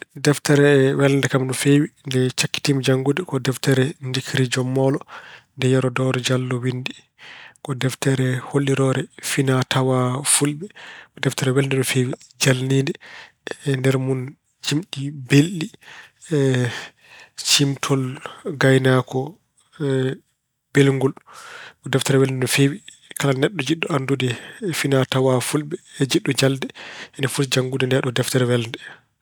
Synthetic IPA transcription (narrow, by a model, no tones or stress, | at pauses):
dɛftɛɾɛwɛlndɛkamɗɔfewindɛt͡ʃakːi̥timd͡ʒaŋɡudɛkɔdɛftɛɾɛndikɾid͡ʒɔmːɔːlɔndɛjɛɾɔdɔɾɛd͡ʒalːɔwindi | kɔdɛftɛɾɛholːiɾɔɾɛfinatʰawafulbɛdɛftaɾɛwɛlndɛɗɔfewid͡ʒalniːndɛ | ndɛɾmun | d͡ʒimɗibelːi | t͡ʃimtʰɔlɡajnakɔ | b̥ɛlŋɡɔlɔdɛftɛɾɛwɛlndɛɗɔfewi | kalanɛɗːɔd͡ʒiɗːɔandudɛfinatawafulbɛd͡ʒiɗːɔd͡ʒaldɛɛnɛfutd͡ʒaŋɡudɛndɛɗɔdɛftɛɾɛwɛlndɛ